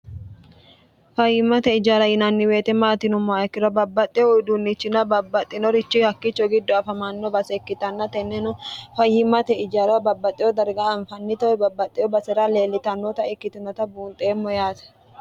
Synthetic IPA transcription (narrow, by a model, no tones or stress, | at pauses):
fɐjɪmːɐt̪ɛɪd͡ʒaːlɐjɪnɐnːɪwe̞ːt̪ɛmaːt̪ɪnʊmːɔɛkːɪɾɐbɐbːɐt̪ʼːɪɔd̪unːɪt͡ʃːɪnɐbɐbːɐt̪ʼːɪnɔɾɪt͡ʃːɪhɐkːɪt͡ʃːɔɡɪd̪ːɔɐfɐmanːɔbɐsɛkːɪt̪ɐnːɐt̪ɛnːɛnʊfɐjːɪmɐt̪ɛɪd͡ʒaːɾɐɐbɐbːɐt̪ʼːɪjɔd̪ɐɾɡaːɱfɐnːɪt̪ɐwɛbɐbːɐt̪ʼːɪɔbɐsɛɾale̞ːlːɪt̪ɐnːɔt̪ɐɛkːɪt̪ɪnɐt̪ɐbuːnt̪ʼeːmːɔjaːt̪ɐ̥